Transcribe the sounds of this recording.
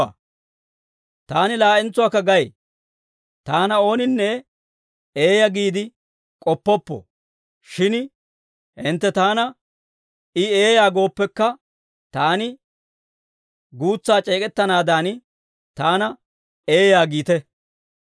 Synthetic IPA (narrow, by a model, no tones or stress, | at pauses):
t̪aːnɪlaːʔɪnt͡sːʊwaːkːɐɡɐj | t̪aːnɐo̞ːnɪnːɛ | eːjɐɡiːd̪ɪ | kʼɔpːɔpːɔ̰ | ʃɪn | hɪnt̪ːɛt̪aːnɐ | ɪeːjaːɡo̞ːpːɛkːɐ | t̪aːnɪ | ɡuːt͡sːaːt͡ʃʼe̞ːkʼɛt̪ːɐnaːd̪aːn | t̪aːnɐ | e̞ːjaːɡiːt̪ɛ